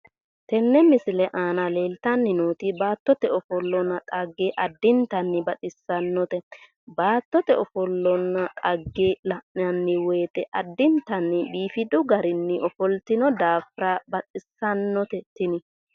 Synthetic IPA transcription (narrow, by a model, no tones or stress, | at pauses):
t̪ɛnːɛmɪsɪlɛʔaːnɐle̞ːlt̪ɐnːɪnoːt̪ɪbaːt̪ːɔt̪ɛɔfɔlːɔnːɐt̪ʼɐɡːeʔɐd̪ːɪnt̪ɐnːɪbɐt̪ʼɪsːɐnːɔt̪ɛ | baːt̪ːɔt̪ɛɔfɔlːɔnːɐt̪ʼɐɡːelɐʔɪɐnːɪweːt̪ɛʔɐd̪ːɪnt̪ɐnːɪbiːfɪd̪ʊɡɐɾɪnːɪʔɔfɔlt̪ɪnɔd̪aːfɾabɐt̪ʼɪsːɐnːɔt̪ɛt̪ɪnɪ